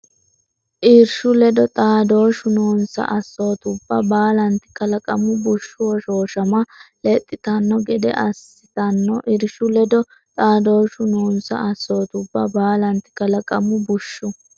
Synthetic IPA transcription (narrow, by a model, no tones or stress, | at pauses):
ʔɪɾʃʊlɛd̪ɔt̪ʼaːd̪o̞ːʃʊnoːnsɐ̰ʔɐsːo̞ːt̪ʊbːɐbaːlɐnt̪ɪ̥kɐlɐkʼɐmʊbʊʃːʊwɔʃo̞ːʃɐmɐlɛt̪ʼːɪt̪ɐnːɔɡɛd̪ɛ̰ʔɐs | ɪt̪ɐnːɔʔɪɾʃʊlɛd̪ɔ | t̪ʼaːd̪o̞ːʃʊnoːnsɐ̰ɐsːo̞ːt̪ʊbːɐbaːlɐnt̪ɪ̥kɐlɐkʼɐmʊbʊʃːʊ